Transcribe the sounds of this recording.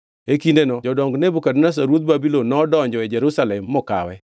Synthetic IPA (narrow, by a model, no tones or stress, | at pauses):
ekindenɔd͡ʒɔdɔŋɡnebukadnas̬aɾwot̪̚babilonːɔːdɔɲd͡ʒɔɛd͡ʒeɾusalɛmːɔka̰wɛ